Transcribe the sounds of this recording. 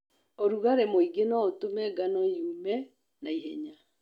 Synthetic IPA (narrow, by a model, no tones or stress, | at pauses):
oɾuɣaɾemoiɡenɔotomɛɡanɔjumɛ | naiɦɛɲa